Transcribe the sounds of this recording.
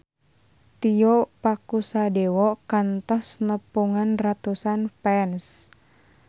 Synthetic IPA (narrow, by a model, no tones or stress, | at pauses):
t̪iɔpakusadɛwɔkant̪ɔsnəpuŋanrat̪usanfɛns